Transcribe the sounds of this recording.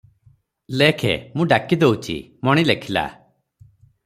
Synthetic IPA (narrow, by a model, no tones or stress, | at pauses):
lekʰḛmũɖakid̪eut͡ʃʰḭmɔɽ̃ilekʰila̰